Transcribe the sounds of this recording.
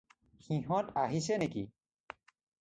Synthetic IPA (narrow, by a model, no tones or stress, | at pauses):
xĩɦɔ̃taɦisɛneki